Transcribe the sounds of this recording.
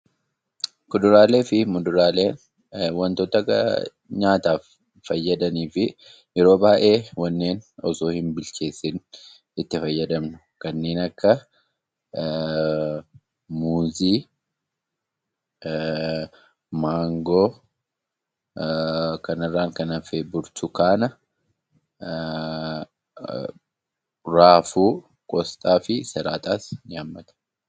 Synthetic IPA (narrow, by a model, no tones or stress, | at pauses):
kʊd̪ʊɾaːle̞ːfɪmʊd̪ʊɾaːle̞ːn | wɐnt̪oːt̪ɐk | ɲaːt̪aːfː | ɐjːɐd̪ɐniːfɪ | ʔɪɾo̞ːbaːʔe̞ːwɐnːeːnɔsoːhɪmbɪlt͡ʃe̞ːsːɪn | ɪt̪ːɪfɐjːɐd̪ɐmnʊ̥ | kɐnːeːnɐkːɐ | muːziː | maːŋɡoː | kɐnɐrːaːŋkɐnɐfebʊɾt̪ʊkaːnɐ | ɾaːfuː | kʼɔst̪ʼaːfɪsɛɾaːt̪ʼaːsɲaːmːɐt̪ɐ̥